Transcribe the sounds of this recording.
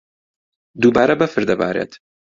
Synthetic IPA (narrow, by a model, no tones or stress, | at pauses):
d̪ubaːɾɐbɐfɨɾd̪ɐba̰ːɾḛːt̪